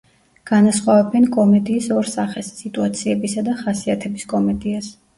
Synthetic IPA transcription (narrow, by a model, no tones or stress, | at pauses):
ɡ̥anasχwavɛbɛnkʼɔmɛd̪iːsɔɾsaχɛsːit̪ʼuat̪sʰiɛbisad̪aχasiat̪ʰɛbiskʼɔmɛd̪ias